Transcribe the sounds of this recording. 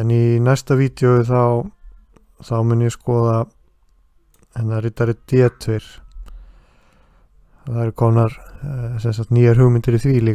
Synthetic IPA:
ɛninɛjst̪aviːt̪jowɪθaw | θawmʏnːʏjɛskɔːða | hɛnːarɪt̪ːaɾɪt̪jɛːt̪ʰvejɾ̥ | θaɛɾɪkʰɔnaɾsɛnsaxt̪niːjaɾ̥ɦʏɣmɪnt̪ɪɾiθviːli

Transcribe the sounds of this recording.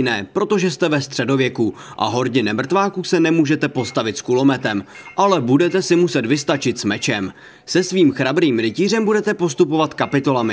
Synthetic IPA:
nɛːpɾo̞t̪o̞ʒɛst̪ɛvɛst̪r̥ɛdo̞vjɛku | ʔa̰ɦo̞ɾɲɪnɛmr̩t̪vaːkusɛnɛmuːʒɛt̪ɛpo̞st̪avɪt̪skulo̞mɛt̪ɛm | ʔalɛbudɛt̪ɛsɪmusɛt̪vɪst̪at͡ʃɪt̪smɛt͡ʃɛm | sɛsviːmxɾabɾiːmɾɪciːr̝ɛmbudɛt̪ɛpo̞st̪upo̞vat̪kapɪt̪o̞lamɪ

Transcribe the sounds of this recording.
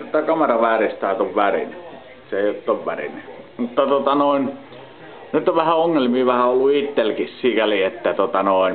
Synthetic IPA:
t̪ot̪ːɑkɑmɑrɑʋæːrist̪æˑːt̪oʋʋærḭne | seeˑiot̪ːˑoʋʋærḭnemut̪ːɑt̪ŭot̪ɑnoˑin | nyt̪ːoʋʋæhæoŋːelmiːʋæhæolːuit̪ːelkissiːkæliet̪ːæt̪ŭot̪ɑnoˑin

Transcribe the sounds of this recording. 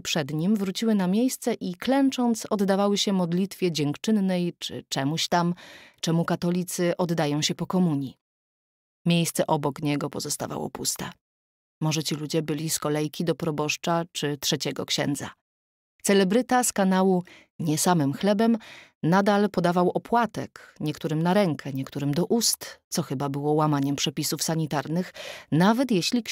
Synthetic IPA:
pʂɛd̪ɲimvɾut͡ɕiwɘnamʲjejst̪sɛʔiklɛnt͡ʂɔnt̪sɔd̪d̪avawɘɕɛmɔd̪lʲit̪fʲjɛd͡ʑɛŋkt͡ʂɘnːɛjt͡ʂɘ̰t͡ʂɛmuɕt̪amt͡ʂɛmukat̪ɔlʲit̪sɘʔɔd̪d̪ajɔ̃w̃ɕɛpɔkɔmuɲi | mʲjejst̪sɛʔɔbɔkɲɛɡɔpɔzɔst̪a̰va̰wɔ̰pust̪ɛ | mɔʐɛt͡ɕilud͡ʑɛbɘlʲiskɔlɛjkʲid̪ɔpɾɔbɔʂt͡ʂat͡ʂɘt̪ʂɛt͡ɕɛɡɔ̰kɕɛ̰nd̪za̰ | t̪sɛlɛbɾɘt̪askanawu | ɲɛsamɘmxlɛbɛm | nad̪alpɔd̪avawʔɔpwat̪ɛ̰kɲɛkt̪uɾɘmnaɾɛŋkʰɛɲɛk̚t̪uɾɘmd̪ɔʔust̪t̪sɔxɘbabɘwɔwamaɲɛmpʂɛpʲisufsaɲit̪aɾnɘxnavɛt̪jeɕlʲik

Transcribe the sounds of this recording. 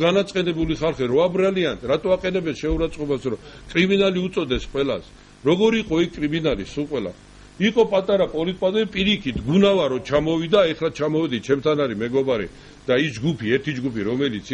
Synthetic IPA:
ɡanat̪sʼqʼɛnɛbuliχalˠχɛɾɔabɾalianɾat̪ʼɔaqʼɛnɛbɛnʃɛuɾat̪sʼqʼɔbasɾɔkʼɾiminaliut̪sʼɔd̪ɛsqʼwɛla̰s | ɾɔɡɔɾiqʼɔikʰkʼɾiminalisuqʼwɛla̰ | iqʼɔpʼat̪ʼaɾapʼɔlit̪̚ʼpʼazɛpʼiɾikʰit̪ʰɡunavaɾɔt͡ʃʰamɔvid̪aɛχɾat͡ʃʰamɔvɛd̪it͡ʃʰɛmt̪ʰanaɾimɛɡɔbaɾɛ̰ | d̪̥aisd͡ʒɡupʰiɛɾt̪ʰid͡ʒɡupʰiɾɔmɛlit̪sʰ

